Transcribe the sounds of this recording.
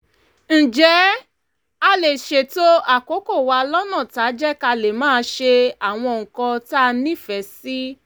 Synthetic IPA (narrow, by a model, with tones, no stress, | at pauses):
n̩˨d͡ʒɛ˨˦ | a˧le˨ʃe˨to˦a˦˨ko˨˦ko˦˨wa˧lɔ˦nã˦˨ta˨˦d͡ʒɛ˦ka˧le˨mãː˦˧ʃe˧a˨w̃ɔ̃˧˨ŋ̩˨kɔ̃˧ta˦˧nĩ˦˨fɛ˨˦si˦